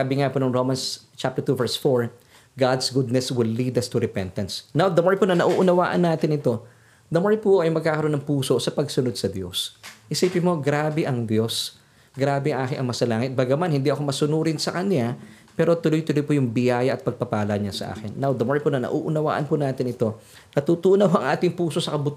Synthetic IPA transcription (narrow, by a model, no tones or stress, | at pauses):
abɪŋapunɐŋɾomɐnst͡ʃap̚t̪ɛɹt̪uvɛɹsfoɹ | ɡad̪sɡʊd̪̚nɛswɪlːid̪ɐst̪ʊɾɛpɛnt̪ɐnsnawd̪ɐmoɹjponɐnɐʔuːʔʊnɐwaːʔɐnːaːt̪ɪnɪt̪o̞ | d̪ɐmoɹjpʊʔɐjmɐɡ̚kaːkɐɾʔo̞nːɐŋpuːso̞sɐpɐɡsʊnod̪̚sɐd̪jo̰shɪsiːpɪnmo̞ɡɾaːbɛʔɐŋd̪jo̞s | ɡɾaːbɛɐŋʔaːkɪnʔɐ̰ŋmɐsɐlaːŋɪt̪̚baɡamanhɪnd̪iʔɐkomɐsʊnuːɾɪnsɐkɐnjapɛːɾo̞t̪ʊlojt̪ʊlojpʊjʊŋbɪjaːjɐʔɐt̪̚pɐɡ̚pɐpaːlɐɲasɐ̰ʔa̰ːkɪnːawd̪ɐmoɹjponɐnɐ̰ʔuːʔʊnɐwa̰ːʔɐ̰npʊnaːt̪ɪnɪt̪o̞ | nɐt̪ut̪uːnɐwhoʔɐŋʔaːt̪ɪŋpuːso̞sɐkɐbʊt̪